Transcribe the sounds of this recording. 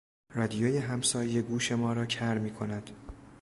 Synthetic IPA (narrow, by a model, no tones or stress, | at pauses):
rɒːd̪ijoːjeɦæmsɒːjjeɡuːʃe̞mɒːɾɒːcʰæɾmiːkʰo̞næd̪̥